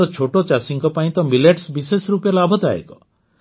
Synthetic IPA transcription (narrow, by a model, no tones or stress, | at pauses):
ɔt͡ʃʰoʈot͡ʃasiŋkɔpaĩt̪ɔmileʈsbisesɔɾupjalabʱɔd̪a̰ḛkɔ